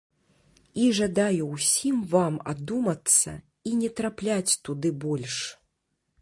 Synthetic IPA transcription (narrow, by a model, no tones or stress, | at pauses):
iʐad̪ajusʲimvama̰d̪umɐt̪sːɐ̰ | inʲɛt̪ɾaplʲat͡sʲt̪ud̪ɨbɔlʲʂ